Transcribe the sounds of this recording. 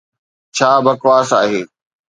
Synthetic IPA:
t͡ɕʰaːbɐkʋaːsaːɦeː

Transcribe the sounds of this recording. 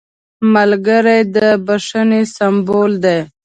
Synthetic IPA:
malɡəɾajd̪əbaʂənesambold̪ej

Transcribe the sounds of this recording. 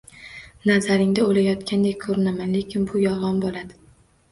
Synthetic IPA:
nazaɾɪŋd̪aolajɒt̪kʲʰand̪ek̚ʲkʰɵɾɪnamanle̞kʲʰɪnbʊjɒlˠʁɒnbolˠad̪ɪ

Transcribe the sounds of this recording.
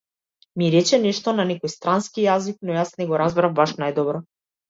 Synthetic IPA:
miɾɛt͡ʃɛnɛʃt̪ɔnanɛkɔjst̪ɾanskijazik̚nɔjasnɛɡɔɾazbɾavbaʃnajd̪ɔbɾɔ

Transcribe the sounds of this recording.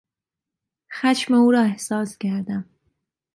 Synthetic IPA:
xæʃmeuːɾɒːehsɒːskʲæɾd̪æm

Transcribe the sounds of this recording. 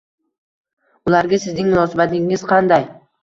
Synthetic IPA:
ʊlaɾɡʲasɪznɪŋmʊnɒːsabat̪ɪŋɪz̥qʰɑnd̪aj

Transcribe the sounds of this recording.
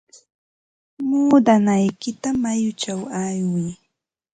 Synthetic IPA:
muːd̪anajkɪt̪amajʊt͡ʃawajwɪj

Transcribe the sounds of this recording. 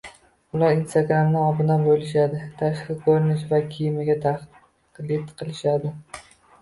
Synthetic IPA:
ʊlaɾinst̪aɡɾamnɪɒbɪnabojlɪʃad̪ɪt̪ʰaʃχɨkʰɵɾɪnɪʃvakʲʰijɪmɪɡʲat̪ʰaχ | qlɪd̪qʰɨlˠɪʃad̪ɪ

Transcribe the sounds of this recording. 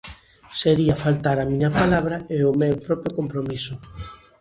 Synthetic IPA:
seɾiɐfalt̪aɾɐmĩɲɐpalaβ̞ɾɐeʊmewpɾɔpjokompɾomisʊ

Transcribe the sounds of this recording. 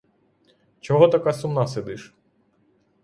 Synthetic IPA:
t͡ʃɔɦɔt̪ɐkasʊmnased̪ɪʃ

